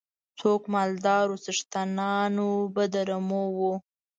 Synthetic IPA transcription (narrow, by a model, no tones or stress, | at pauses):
t͡sokmɑld̪ɑːɾusəʂt̪anɑnobəd̪aɾamowu